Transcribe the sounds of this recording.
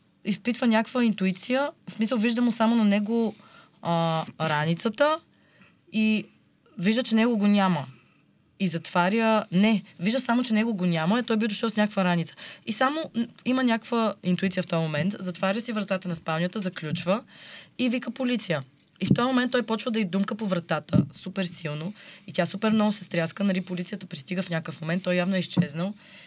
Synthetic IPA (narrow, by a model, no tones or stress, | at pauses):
ispit̪vənʲakvəint̪uit̪sijəsmisəlˠviʒd̪əmʊsamonɐnɛɡo | əɾanit̪sət̪ə | i | viʒd̪ət͡ʃɛnɛɡoɡonʲamə | izɐt̪v̥aɾʲjənɛviʒd̪əsamot͡ʃɛnɛɡoɡonʲaməɛt̪ɔjbid̪ʊʃəlˠsnʲakəkvəɾanit̪sə̥isamoimənʲakkvəint̪uit̪sijəft̪ɔjmomɛnt̪zɐt̪vaɾʲjəsivɾɐt̪at̪ənɐspalnʲət̪əzɐklʲut͡ʃvəivikəpolit̪sijə | ift̪ɔjmomɛnt̪ːɔjpɔt͡ʃvəd̪ɐid̪umkəpovɾɐt̪at̪əsupɛɾsilˠnoit̪ʲasupɛɾmnɔɡʊsɛst̪ɾʲjaskənɐlʲipolit̪sijət̪əpɾist̪iɡəfnʲakəfmomɛnt̪ːɔjavnoɛist͡ʃɛznəlˠ